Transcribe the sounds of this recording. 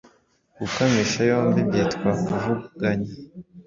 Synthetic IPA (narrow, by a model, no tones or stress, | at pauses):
ɡ̥ukamiʃajoːmbibjeːtkwakuvuɡ̥aɲe